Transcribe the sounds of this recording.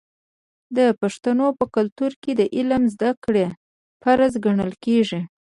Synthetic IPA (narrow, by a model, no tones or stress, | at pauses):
d̪əpaʂt̪anopəkʊlt̪uɾked̪əʔɪlamzd̪akɽe | faɾazɡaɳəlkeʐi